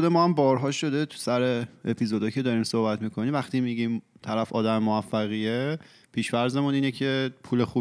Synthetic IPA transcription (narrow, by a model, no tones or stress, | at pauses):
od̪e̞mɒːhæmbɒːɾɦɒːʃo̞d̪e̞t̪ʰu̥sæɾe̞epʰizod̪ɒjcʲʰe̞d̪ɒːɾiːmso̞hbæt̪miːkʰo̞nimvæχt̪ʰimiːɟimt̪ʰæɾæfɒ̰ːd̪æmemoæfːæɣie | pʰiːʃvæɾze̞muniːnecʰe̞pʰuːle̞xuː